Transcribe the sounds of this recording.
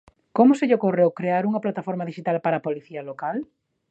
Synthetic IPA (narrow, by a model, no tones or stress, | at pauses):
komʊseʎokorewkɾeaɾuŋɐplat̪afɔɾmɐðiʃit̪alpaɾapoliθiɐlokal